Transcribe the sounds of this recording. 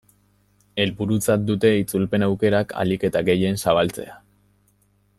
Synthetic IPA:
e̞lβuɾut͡sat̪̚d̪ut̪e̞it͡sulpe̞nawke̞ɾakʰa̰like̞t̪aɡe̞je̞nsaβ̞alt͡se̞̰a

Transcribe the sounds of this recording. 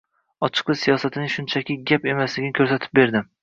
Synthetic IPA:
ɒt͡ʃʰɨ̥qlˠɨsijɒsat̪ʰɪnɪŋʃʊnt͡ʃʰakʲɪɡʲape̞maslɪɡʲɪnɪkʰɵɾsat̪ʰɪ̥p̚be̞ɾd̪ɪm

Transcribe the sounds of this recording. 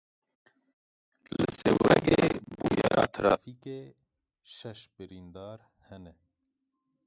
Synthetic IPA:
lɨ̰sewɾɛɡebujɑɾɑːt̪ʰɾɑːfike | ʃɛʃbɨɾind̪ɑːɾ | hɛnɛ

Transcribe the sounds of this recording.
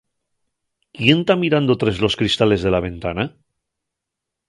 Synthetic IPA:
kje̞nt̪amiɾand̪ot̪ɾezlo̞skɾist̪ale̞zðe̞laβ̞e̞nt̪ana

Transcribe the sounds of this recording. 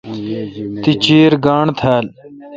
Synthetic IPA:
t̪it͡ɕiːɾɡaːɳt̪ʰaːl

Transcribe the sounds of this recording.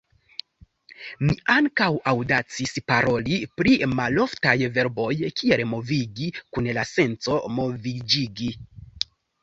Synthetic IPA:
miʔaŋkawawdat͡sispaɾo̞lipɾimalo̞ftajve̞ɾbo̞jkʰielmo̞viɡikunlase̞nt͡somo̞vid͡ʒiɡi

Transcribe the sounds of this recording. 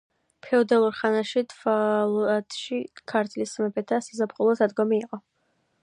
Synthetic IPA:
pʰɛɔd̪alˠuɾχanaʃit̪ʰvalˠat̪ʰʃikʰaɾt̪ʰlismɛpʰɛt̪ʰasizapχulˠɔsad̪ɡɔmiːqʼɔ

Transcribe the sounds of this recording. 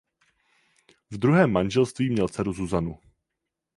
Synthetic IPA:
vd̪ɾuɦɛːmːanʒɛlst̪viːmɲɛlt͡sɛɾuzuzanu

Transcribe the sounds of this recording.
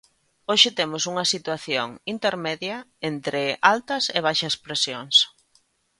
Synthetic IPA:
oʃɪt̪emʊsuŋɐsit̪waθjoŋint̪eɾmeðjɐent̪ɾɪʔalt̪ɐseβ̞ajʃɐspɾesjoŋs

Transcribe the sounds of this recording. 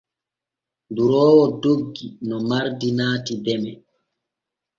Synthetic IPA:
nduɾɔːwɔdoɡːinɔmaɾdinaːtidɛmɛ

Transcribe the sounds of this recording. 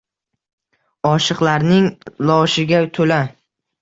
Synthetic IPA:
ɒʃɨqlaɾnɪŋlɒʃɪɡʲat̪ʰola

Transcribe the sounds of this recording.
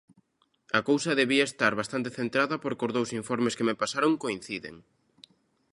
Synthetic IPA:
ɐkowsɐðeβiɐest̪aɾβast̪ant̪eθent̪ɾaðɐpoɾkozðowsiɱfɔɾmeskemepasaɾoŋkoin̟θiðḛŋ

